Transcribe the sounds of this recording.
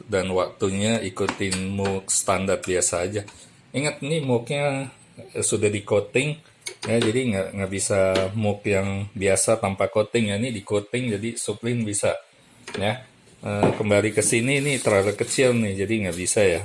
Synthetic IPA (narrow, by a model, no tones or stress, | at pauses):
danwak̚t̪uɲaikut̪ɪnmʊkst̪andart̪̚biasaːd͡ʒa | iŋət̪nɪmʊkɲa | sudahdikot̪ɪŋ | jad͡ʒadiŋɡaʔŋɡaʔbisamʊkjaŋbiasat̪ampakot̪ɪŋjanɪdikot̪ɪŋd͡ʒadisuplɪnbisa | ja | əkəmbalikəsininit̪əɾasakət͡ʃɪlnɪhd͡ʒadiŋɡaʔbisaja